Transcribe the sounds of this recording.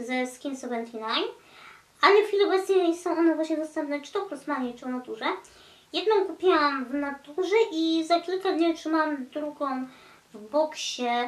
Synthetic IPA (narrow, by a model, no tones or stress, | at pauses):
zɛskʲinsɔvɛnt̪ʰinajm | ʔalɛxfʲilʲiɔbɛt̪sɲɛsɔ̃w̃ʔɔnɛvwaɕɲɛd̪ɔst̪ɛmpnɛt͡ʂɨ̥t̪ɔpɔsmaɲɛt͡ʂwnat̪uʐɛ | jɛd̪nɔ̃w̃kupʲawamvnat̪uʐɛʔizakʲilkad̪ɲitʂɨmawamd̪ɾuɡɔ̃w̃ | vbɔkɕɛ